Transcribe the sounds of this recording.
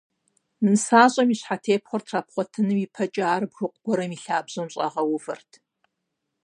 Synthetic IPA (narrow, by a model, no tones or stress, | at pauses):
mɨnɨsaːɕʼɐmiɕħatʰeːpχʷɔrtʰraːpχʷɔtʰɨnɨmipʰɐt͡ʃʼaːrɨbxʷʊqʷʼʊɡ̥ʷɔɾɐmiɬaːbzomɕʼɐʁɐwʊvɐrtʰ